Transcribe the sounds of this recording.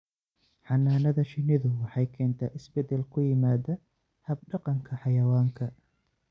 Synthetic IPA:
ħɑnːaːnɐðɐʃɪnɪðʊwɑħɑjkʰɛːnt̪ʰɐːʔɪsbɛd̪ɛlkʰʊjɪmaːdɐ | hɐb̚ɖɑqɑŋkʰɐħɑjɐwaːŋkʰɐ

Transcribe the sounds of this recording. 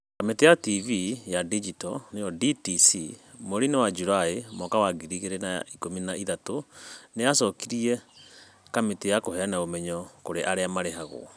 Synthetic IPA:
kametejativijadid͡ʒitɔnejɔditisimoɾinewad͡ʒuɾaemɔkawaɡiɾiɣeɾena̰ikominaʔiðatonejasɔkiɾiɛ | kametejakoɦɛanaomɛɲɔkoɾeʔaɾeamaɾeɦaɣo̰

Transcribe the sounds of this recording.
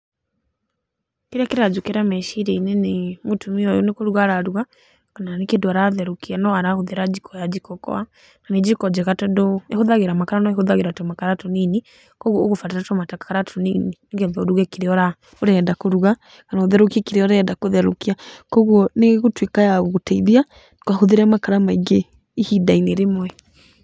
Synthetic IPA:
keɾeakeɾad͡ʒokeɾamɛʃiɾɛinɛnemotumiɔjonekoɾuɣaɾaɾuɣa | kananekendoaɾaðɛɾokianɔaɾahoðeɾad͡ʒikʰɔjad͡ʒikɔkɔ̰a | kaned͡ʒikɔd͡ʒɛɣatɔdɔehoðaɣeɾamakaɾanɔehoðaɣeɾatɔmakaɾatɔnini | kɔɣwɔoɣofataɾatɔmatakḁkaɾatʰɔninineɣɛðɔoɾuɣɛkeɾeɔɾa | oɾɛːdakoɾuɣa | kanaoðɛɾokiakeɾeɔɾɛːdakoðɛɾokiakɔɣwɔneɣotwekajaɣoɣotɛiðia | towahoðeɾɛmakaɾamaiɡe | ihidaineɾemwɛ

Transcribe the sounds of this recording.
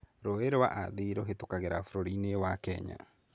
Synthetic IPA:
ɾoeɾewa̰ʔaðiɾoɦetokaɣeɾafuɾoɾinewakɛɲa̰

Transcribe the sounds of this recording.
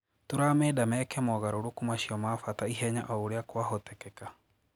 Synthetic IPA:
toɾaːmɛːdamɛːkɛmɔɣaɾoɾokumaʃiɔmaːfataiɦɛɲa̰ʔɔoɾeakwaɦɔtɛkɛka

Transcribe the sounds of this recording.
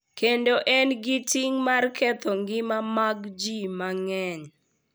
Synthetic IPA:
kendoʔɛnɡɪtiŋmarkɛt̪ɔŋɡɪmamaɡd͡ʒimaŋɛɲ

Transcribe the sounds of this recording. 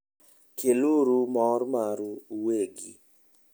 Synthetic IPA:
kʰeluɾumɔɾmaɾuuweɡḭ

